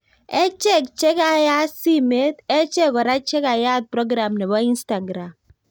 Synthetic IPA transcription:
ɛ˦t͡ʃɛ˦˨kt͡ʃɛ˦ka˨ja˦si˦me˦t̪ɛ˦t͡ʃɛ˦kɔ˨ɾa˦t͡ʃɛ˦ka˨ja˦t̪̚pɾɔ˦ɡɾa˨mnɛ˨ba˦i˦nsta˨ɡɾa˨m

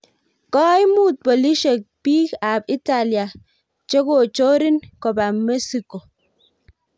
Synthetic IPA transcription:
kɔ˦jmu˦˨t̪̚bɔ˨li˦ʃe˨k̚pi˦ka˨bi˦ta˦˨li˨a˨ | t͡ʃe˦ɡo˦˨t͡ʃo˦ɾi˦nkɔ˨ba˨me˦si˨ko˨

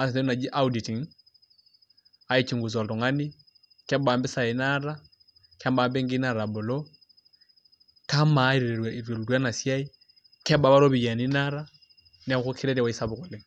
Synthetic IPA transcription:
a˨sɛ˨ɛ˦na˨d͡ʒi˦ʔa˦udi˨ti˨ŋ̩˦ | a˦i˦t͡ʃʰi˨ŋ̩˨ɡu˨t͡sɔ˨tɔ˨ŋa˦ni˦ | kʰɛ˦ba˨m˦bɪ˦sa˨ɛ˨naɾa˦ | kʰɛ˦m˦ba˨mbɛ˦ŋ̩˦ɡi˦na˦˨ɾa˨bʊ˨lɔ˦ | kʰa˦ma˨˦i˦ɾiɾɛ˨ɾwa˨i˨ɾwɛ˨lu˨ɾwa˦na˨sia˦i˦ | kʰɛ˦ba˨ba˦ɾo˦bi˨a˨ni˦naɾa | nɛ˦xʊ˦kʰi˦ɾɛ˦ɾɛ˨wa˨i˦sa˦bʊ˨kɔ˨le˦

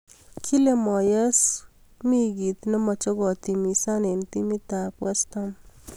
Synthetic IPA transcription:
kʰi˦le˨mɔ˨jɛ˦s | mi˦ɡi˨t̪nɔ˦mɔ˨t͡ʃɔ˦ɡɔ˨t̪i˨mi˨sa˦ne˨nt̪i˦mi˦t̪a˨kwɛ˦st̪ɔ˦m

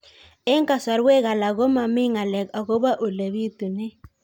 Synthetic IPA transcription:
e˦ŋ˦ka˨sa˨ɾwe˦ɣa˨la˨ɣo˦ma˨mi˦ŋa˨lɛ˨ka˨ɣo˦ba˦ʔo˨le˨βi˦tu˨ne˦

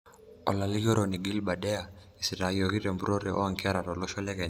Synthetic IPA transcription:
ɔ̰˨la˨li˦ɡɔ˦ɾɔni˨ɡi˦lba˨dɛ˦a | i˨si˨ɾa˨jɔki˦tɛmbuɾɔ˦ɾɛʔɔ̰aŋkia˦ɾa˨tɔlɔ˦ʃɔlɛ˦kɛ˨n

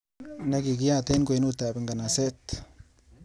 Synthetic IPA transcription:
na˦ki˨ɡi˦ja˦t̪e˦nko˨i˦nu˦t̪a˨bɪ˨ŋɡa˨na˨se˦t̪

